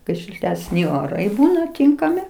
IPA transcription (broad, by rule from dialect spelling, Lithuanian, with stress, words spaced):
ˈkɐɪ ʃʲɪlʲtʲɛsʲˈnʲɪ oːˈrɐɪ ˈbuːnɐ ˈtʲɪŋkɐmʲɪ